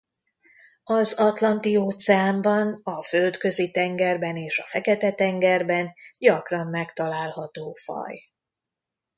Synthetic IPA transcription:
ɒzɒt̪lɒnt̪ioːt̪sɛaːmbɒnɒføld̪kø̞zit̪ɛŋɡɛrbɛneːʃɒfɛkɛt̪ɛt̪ɛŋɡɛrbɛnɟɒkrɒmːɛkt̪ɒlaːlhɒt̪oːfɒ̰j

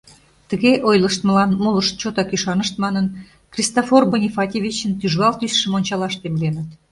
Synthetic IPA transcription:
t̪əɣeʔojləʃt̪mə̆lɑnmoləʃt͡ɕot̪ɑkyʃɑnəʃt̪̚mɑnən | krʲist̪oforbonʲifɑt̪ʲevʲit͡ɕənt̪yʒɣɑlt̪ysʃəmonʲt͡ɕɑlɑʃt̪emlenə̆t̪

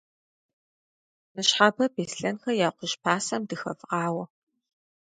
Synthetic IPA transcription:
nɨɕħabɐbeːsɬɐnxɐjaːqʷʊʃpʰaːsɐmdɨxɐ̰fqɑːwɐ

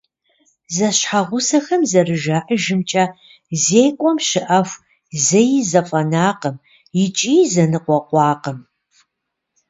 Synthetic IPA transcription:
zɐɕħaʁʷʊsɐxɐmzɐrɨʒaːʔəʒɪmt͡ʃʼɐ | zeːkʷʼɔmʃɪʔɐfʷ | zɐjɪzɐfʼɐnaːqəm | jɪt͡ʃʼiːzɐnɨqʷɔqʷɑːqəm

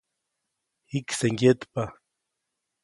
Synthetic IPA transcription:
hikseŋɡjet̪pa

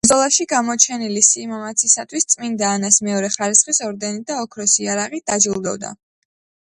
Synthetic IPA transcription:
zʼɔlˠaʃiɡamɔt͡ʃʰɛnilisimamat̪sʰisat̪ʰwist̪sʼmind̪aːnasmɛɔɾɛχaɾisχisɔɾd̪ɛnid̪aɔkʰɾɔsiaɾaʁid̪̥ad͡ʒilˠd̪ɔ̰vd̪a̰

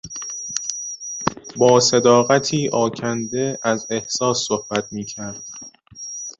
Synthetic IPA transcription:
bɒːse̞d̪ɒːɣæt̪ʰiːʔɒːcʰænd̪e̞æze̞hsɒːsːohb̥æt̪ʰmiːcʰæɾd̪̥̚

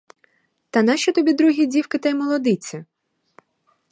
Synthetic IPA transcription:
t̪ɐnɑʃʲɔt̪ɔbʲid̪ɾuɦʲidʲiwkɪt̪ɐjmɔlˠɔd̪ɪt͡sʲi

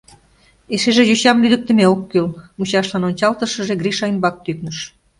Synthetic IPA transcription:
eʃeʒejyɕɑmlyd̪ə̆k̚t̪ə̆meokːylmut͡ɕɑʃlɑnonʲt͡ɕɑlt̪əʃə̆ʒeɡriʃɑimbɑk̚t̪yknəʃ

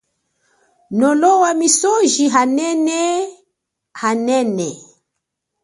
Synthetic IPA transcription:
nɔlɔwamisɔʒiɦanɛnɛ | hanɛnɛ

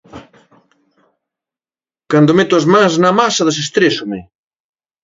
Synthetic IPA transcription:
kand̪omet̪oazmãŋznamasɐðesest̪ɾesome

